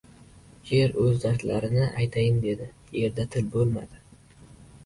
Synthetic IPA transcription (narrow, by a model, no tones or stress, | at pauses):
eɾɵzd̪aɾt̪ʰla̰ɾɪnɪʔajt̪ʰajɪmd̪e̞d̪ɪ | je̞ɾd̪at̪ʰɪlbolˠma̰d̪̥ɪ